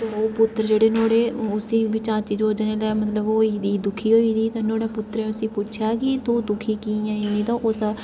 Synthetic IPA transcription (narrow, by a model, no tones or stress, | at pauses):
t̪eːoːpʊt̪ːɾd͡ʒeːɽeːnoːɽeːʊsĩːbɪt͡ʃãːt͡ʃiːd͡ʒɦoːd͡ʒaneːlːmət̪ləbooːiːd̪iːd̪ʊkʰiːɦoːiːd̪iːt̪ãːnoːɽaːpʊt̪ːɾẽːʊsĩːpʊʃʰjaːkit̪uːd̪ʊkʰiːkiːjãːɪnĩːt̪ãːʔʊsa